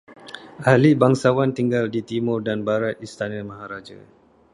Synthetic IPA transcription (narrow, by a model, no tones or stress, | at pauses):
ʔalibaŋsawant̪iŋɡaldit̪imʊrdanbaɾat̪̚ist̪anamaɦaɾad͡ʒa̰